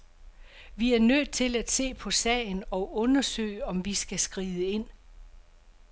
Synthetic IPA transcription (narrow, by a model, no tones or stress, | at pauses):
ʋiæɐnøðð̥ˠt͡sʰe̝læd̥se̝̰ːpʰɒ̽sɛ̰ɪnɒ̽ʔɔ̽nɐsø̰ːɪɒ̽mʋisɡ̥æsɡ̥ʁiːðˠəe̝n̰